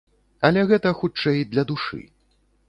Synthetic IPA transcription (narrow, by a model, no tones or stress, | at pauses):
ɐlʲɛɣɛt̪ɐxut͡ʂɛjd̪lʲɐd̪uʂɨ̰